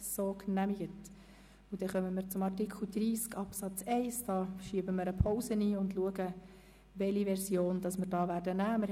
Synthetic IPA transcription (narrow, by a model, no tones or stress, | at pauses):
soːknæmiɡət | ʊd̥̪ɛχœməmɪɾt͡sʊmɑɾtikʰl̩d̥̪ɾiːskɑpsɑt͡sɛɪsd̥ɑːʃiəbəmɪɾəpʰɔʊsəniːʊndluəɡə | ʋɛliʋɛɾsjoːnd̥ɑsməɾd̥ɑːʋæːɾdənæːməɾ